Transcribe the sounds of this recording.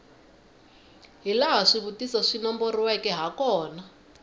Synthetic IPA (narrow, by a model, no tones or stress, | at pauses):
ɦilaɦaʂiβutisɔʂinɔmboriwɛkɛɦakɔːna